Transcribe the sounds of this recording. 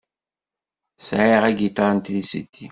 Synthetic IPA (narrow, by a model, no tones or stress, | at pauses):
sʕiʁæɡit̪ˤɑɾˤənt̪ðisḭt̪ʰːi